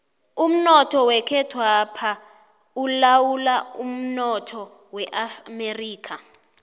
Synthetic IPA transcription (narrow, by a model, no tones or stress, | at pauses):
um̩nɔtʰɔwɛkʰɛtʰwapʰa | ulawulaum̩nɔtʰɔ | wɛʔameriːkʰa